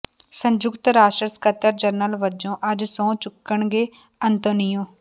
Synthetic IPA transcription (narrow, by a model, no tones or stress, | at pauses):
sə̃ɲd͡ʒʊkt̪ɾaːʃʈɾəskət̪əɾd͡ʒəɾnəlʋəd͡ʒõːʔəd͡ʒsõːt͡ʃʊkːəɳɡeː | ənt̪onɪjõː